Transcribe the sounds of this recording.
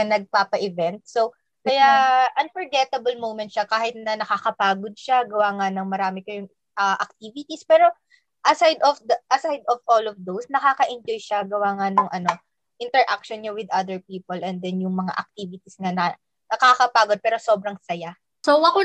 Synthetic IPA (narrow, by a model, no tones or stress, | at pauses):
ɐnɐɡ̚paːpɐʔɪvɛnt̪̚so | kɐjaʔɐnfɔɹɡɛt̪ɐbɐlmowmɛnt̪ʃakaːhɪt̪̚nɐnɐkakɐpaːɡod̪̚ʃaɡɐwaːŋanɐŋmɐɾaːmɪkɐjʊŋ | ʔɐʔɐk̚t̪iːvɪt̪ispɛːɾo̞ | ʔɐsajd̪ɔfd̪ɐʔɐsajd̪ɔvʔolɔfd̪owsnɐkaːkɐʔɪnd͡ʒojʃaɡɐwaːŋanoŋʔɐno̞ | ʔɪ̃nt̪ɛɹʔak̚ʃɔnɲowɪd̪ʔad̪ɛɹpiːpolʔɛ̃nd̪ɛnjʊŋmɐŋa̰ʔɐ̰k̚t̪iːvɪt̪isŋɐnɐ | nɐkakɐpaːɡod̪̚pɛːɾo̞so̞ːbɾɐŋsɐja | sowɐko